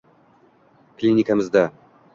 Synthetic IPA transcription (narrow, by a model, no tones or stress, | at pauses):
klʲinʲikamɨzd̪a